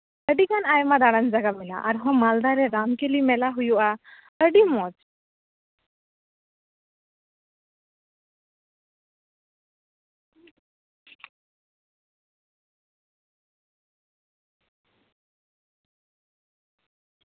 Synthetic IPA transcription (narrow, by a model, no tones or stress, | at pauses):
əɖikanajmad̪aɽand͡ʒaɡamila̰ʔaɾɦɔ̃mald̪aɾɛɾamkelimɛlaɦujuʔa | əɖimɔd͡ʒ